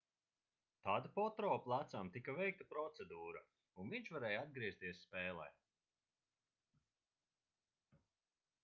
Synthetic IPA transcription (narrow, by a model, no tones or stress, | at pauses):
t̪aːd̪apɔt̪ɾɔːplˠat̪samt̪ikavɛjk̚t̪apɾɔt̪sed̪uːɾa | unviɲt͡ʃvaɾɛːjad̪̚ɡɾiɛst̪iɛsːpɛːlˠɛ̰j